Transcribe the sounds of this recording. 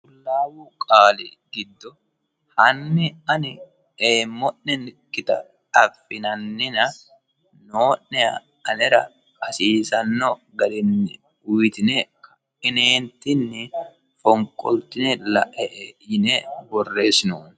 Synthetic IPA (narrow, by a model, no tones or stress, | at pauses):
kʊlːaːwʊkʼaːlɛ̰ɡɪd̪ːɔ | hɐnːɪɐnɪ | eːmːɔnːɛnkʼːɪt̪ɐ̰ | ᶑɐfːɪnɐnːɪnɐ | noːnːɛɐ | ɐnɛɾɐ̰ | kʼɐsiːsɐnːɔɡɐɾɛnːɪ | ʊjɪt̪ɪnɛkɐ̥ | ɪneːnt̪ɪnːɪ | fɔŋkʼɔ̰lt̪ɪnɛlɐ̰ʔɛʔɛjɪnɛbɔrːe̞ːsɪnoːn